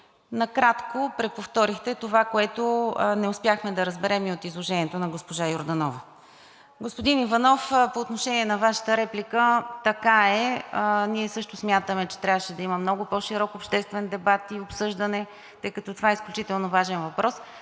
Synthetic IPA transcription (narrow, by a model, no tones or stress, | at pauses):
nɐkɾat̪kopɾɛpoft̪ɔɾixt̪ɛt̪ovakoɛt̪onɛʊspjaxmɛd̪ɐɾəzbɛɾɛmiot̪izlˠoʒɛniɛt̪onɐɡospoʒajoɾd̪ɐnɔvə | ɡospod̪inivɐnɔfpoːt̪noʃɛniɛnɐvaʃə̥t̪əɾɛplikət̪ɐkaɛniɛsɤʃt̪ʊsmʲjat̪əmɛt͡ʃɛ̥t̪ɾʲavəʃɛd̪ɐiməmnɔɡʊpɔʃiɾɔkopʃt̪ɛst̪vɛnd̪ɛbat̪iopsɤʒd̪ənɛ | t̪ɤjkɐt̪ɔt̪ovaɛisklʲut͡ʃit̪ɛlˠnovaʒɛnvɐpɾɔs